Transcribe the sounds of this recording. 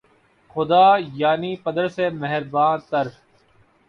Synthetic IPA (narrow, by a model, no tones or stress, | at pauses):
xʊd̪aːjaːniːpɐd̪əɾsemɛɦəɾbãːt̪ɐɾ